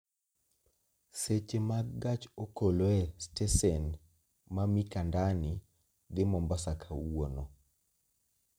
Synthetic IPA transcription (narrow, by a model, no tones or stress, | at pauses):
set͡ʃemaɡɡat͡ʃokoloɛstɛsɛn | mamikandanɪ | d̪ɪmɔmbasakʰawono